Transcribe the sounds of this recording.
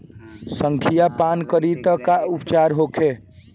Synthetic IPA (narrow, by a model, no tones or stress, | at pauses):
səŋkʰijapankəɾit̪əkaupt͡ʃaɾɦokʰe